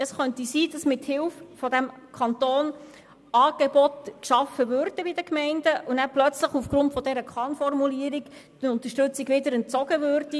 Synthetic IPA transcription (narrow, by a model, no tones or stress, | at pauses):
əsχœntisiːd̥ɑsmɪthɪlffɔdæmkʰɑntoːn | ɑːɡ̥ebɔtʃɑfəʋøɾd̥əbidəkmɛɪndəʔunæplœt͡sləχufɡ̥ɾʊntfɔdɛɾəkχɑnfɔrmuliːəɾik | d̥ənʊnt̪əʃtɵt͡siɡʋɪdəɾɛnt͡sɔɡəvøːrdi